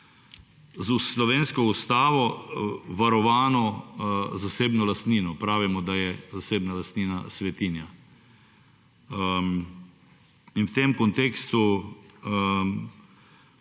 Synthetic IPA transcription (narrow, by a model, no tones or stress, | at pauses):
zuslɔʋeːnskɔust̪aːʋɔʋaɾɔʋaːnɔ | zaseːbnɔlast̪niːnɔpɾaːʋimɔd̪ajɛzaseːbnalast̪niːnasʋɛt̪iːnja | inwt̪emkɔnt̪eːkst̪u